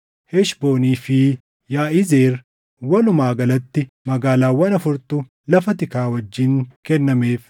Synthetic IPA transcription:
hɛʃbo̞ːniːfɪ | jaːʔɪze̞ːɾ | wɐlʊmaːɡɐlɐt̪ːɪ | mɐɡaːlaːwɐnɐfʊɾt̪ʊ | lɐfɐt̪ɪkaːwɐd͡ʒːɪŋkɛnːɐmeːf

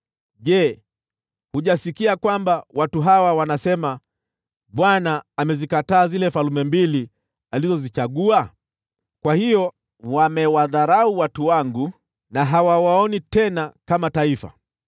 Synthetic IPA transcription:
ʄɛ | huʄasikiakwambawʔatuɦawawanasɛma | ɓwanaːmɛzikataːzilɛfalumɛmbili | alizɔzit͡ʃaɠua | kwahijɔ | wamɛwaðaɾauwatuwaŋɡu | naɦawawaɔnitɛnakamataifa̰

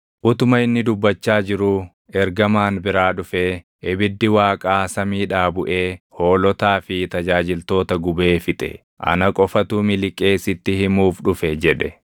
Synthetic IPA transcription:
ʔʊt̪ʊmɐɪnːɪd̪ʊbːɐt͡ʃːaːd͡ʒɪɾuː | ɛɾɡɐmaːnbɪɾaːᶑʊfeː | ʔɛbɪd̪ːɪwaːkʼaːsɐmiːᶑaːbʊʔe̞ːho̞ːlɔt̪aːfɪt̪ɐd͡ʒaːd͡ʒɪlt̪o̞ːt̪ɐɡʊbe̞ːfɪt̪ʼɛ̰ | ʔɐ̰nɐkʼɔfɐt̪uːmɪlɪkʼːe̞ːsɪt̪ːɪhɪmuːfᶑʊfɛd͡ʒɛᶑɛ

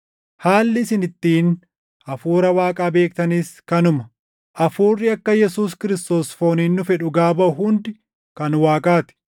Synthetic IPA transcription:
haːlːɪsɪnɪt̪ːiːn | ʔɐfuːɾɐwaːkʼaːbe̞ːkt̪ɐniːskɐnʊmɐ | ʔɐfuːrːɪɐkːɐjɛsuːskɪɾɪst̪o̞ːsfo̞ːniːnːʊfɛᶑʊɡaːbɐʊɦʊnd̪ɪ | kɐnwaːkʼaːt̪ɪ̥

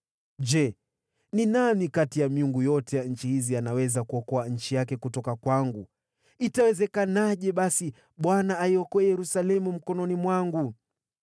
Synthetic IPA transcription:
d͡ʒɛ | ninamikatijamiuŋɡujɔtɛjaɲ̩t͡ʃihizianawɛzakuɔkɔaɲ̩t͡ʃijakɛkutɔkakwaŋɡu | itawɛzɛkanaʄɛɓasi | ɓwanaːiɔkɔɛjɛɾusalɛmum̩kɔnɔnimwaŋɡu

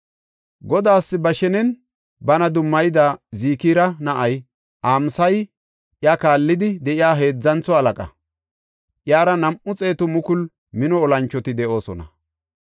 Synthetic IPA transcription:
ɡɔd̪aːsːɪbɐʃɛnɛn | bɐnɐd̪ʊmːɐjd̪aːziːkiːɾɐnɐʔɐj | ʔaːmsɐj | ʔjakaːlːɪd̪ɪd̪ɛʔɪjaːɦe̞ːd͡zːɐnt͡sːɔɐlɐkʼɐ̰ | ʔjaːɾɐnɐmʔʊt͡sʼe̞ːt̪ʊmʊkʊl | mɪnɔɔlɐnt͡ʃːɔt̪ɪd̪ɛʔo̞ːsɔ̰nɐ̰

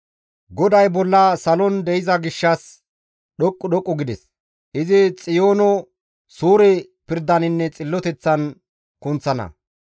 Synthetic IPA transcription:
ɡɔd̪ɐjbɔlːɐsɐlɔnd̪ɛɪzɐɡɪʃːɐs | ɗɔkʼːʊɗɔkʼːʊɡɪd̪ɛs | ʔɪzɪt͡sʼɪjoːnɔ | suːɾɛ | pɪɾd̪ɐnɪnːɛt͡sʼɪlːɔt̪ɛt͡sːɐn | kʊnt͡sːɐnɐ̰

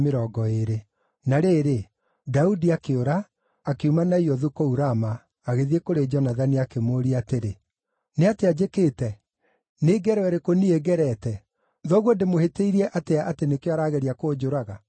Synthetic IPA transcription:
meɾɔːɡɔeɾe | naɾeːɾe | daudiakeoɾaː | keumanaiɔðukouɾamaː | ɣeðiekoɾed͡ʒɔnaðaniakemoɾiateɾe | neatead͡ʑekeːtɛ | neːɡɛɾwɛɾekonieɡɛɾɛtɛ | ðɔɣwondemoheteiɾiɛʔateaatenekjeaɾaɣɛɾiakoːd͡ʒoɾaɣa

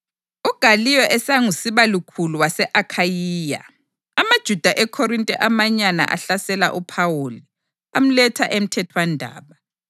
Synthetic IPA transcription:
uɡ̥ʱalijɔʔɛsaŋusiβalukʰuluwasɛʔakʰajiːja̰ | amad̥ʒ̥ʱud̥ʱaʔɛkʰɔɾintʼɛʔamaɲana̰ʔa̰ɬasɛla̰ʔupʰawoli | am̩lɛtʰaʔem̩tʰɛtʰwandʱa̰ːβa

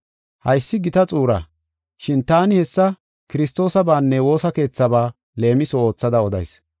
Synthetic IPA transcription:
hɐjsːɪɡɪt̪ɐt͡sʼuːɾɐ̰ | ʃɪnt̪aːnɪhɛsːɐ | kɪɾɪst̪o̞ːsɐbaːnːɛwo̞ːsɐke̞ːt͡sːɐbaː | le̞ːmɪsɔo̞ːt͡sːɐd̪ɐɔd̪ɐ̰js

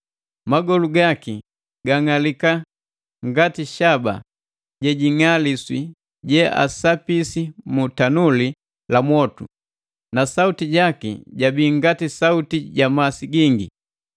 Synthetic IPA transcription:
maɡɔluɡaki | ɡaŋalika | ŋɡatiʃaba̰ | ɟɛɟiŋaliswi | ɟɛa̰sapisimutanuli | lamwɔtṵ | nasautiɟakḭɟabiːŋɡatisautiɟamasiɡiŋɡḭ

